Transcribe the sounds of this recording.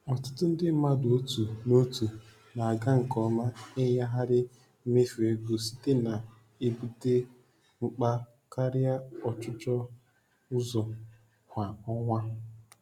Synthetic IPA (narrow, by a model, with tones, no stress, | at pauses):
ɔ˨tʊ̥˦tʊ˦n̩˦dɪ˦m̩˦ma˦dʊ˨o˦tu˨no˦tu˨ | na˨a˨ɡa˦ŋ̩˨kɔ˨˦ma˦ɪ˦ja˦ɦa˦ɾɪ˦ | me˦fu˨e˦ɡo˨si̥˦te˦na˨ | e˨bu˦de˦ | ŋ͡m̩˨k͡pa˦ | ka˦ɾɪ˦a˦ɔ˨t͡ʃʊ˦t͡ʃɔ˦ | ʊ˦zɔ˨ | hʷa˨ɔ˦ŋʷa˦